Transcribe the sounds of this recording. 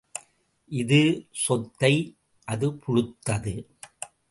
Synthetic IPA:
ʔɪðɯsɔt̪ːɐɪ | ʔɐðɯpʊɻɯt̪ːɐðɯ

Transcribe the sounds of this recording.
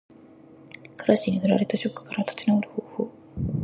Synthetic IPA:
kɯɾaɕiɲ̟ihɯ̟ɾaɾe̞t̪aɕo̞kːɯ̟̥kaɾat̪ḁt͡ɕinaoɾɯ̟hoːhoː

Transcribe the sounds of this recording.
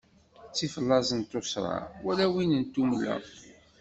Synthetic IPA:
t͡sːifəlːɑzˤənt̪osɾˤɑ̰wælæwinənt̪ːumlæ̰

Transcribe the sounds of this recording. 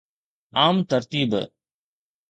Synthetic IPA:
aːmt̪əɾt̪iːb

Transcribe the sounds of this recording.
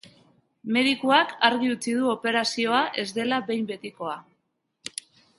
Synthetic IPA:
me̞ð̞ikuakaɾɣiut͡sið̞uo̞pe̞ɾasio̞aʔe̞zd̪e̞labe̞jmbe̞t̪iko̞a

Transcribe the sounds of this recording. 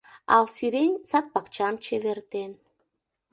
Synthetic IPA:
ɑlsiɾenʲsɑt̪̚pɑkt͡ɕɑmt͡ɕeβert̪en

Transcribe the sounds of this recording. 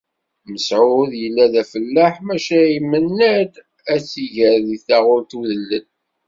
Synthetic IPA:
məsʕʊðjəlːæðæfəlːaħmæʃæimːənːæd̪ | æt͡sːiʝəɾðiθaʁʊɾt̪uðəlːən

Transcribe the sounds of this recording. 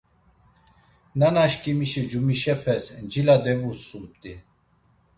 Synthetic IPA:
nanaʃkʼimiʃɛd͡ʒumiʃɛpʰɛsd͡ʒilad̪ɛvusulp̚t̪ʼi

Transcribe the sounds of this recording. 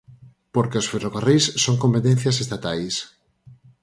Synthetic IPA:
poɾkeosferoɣarejsːoŋkompet̪ẽn̟θjɐsest̪at̪ajs

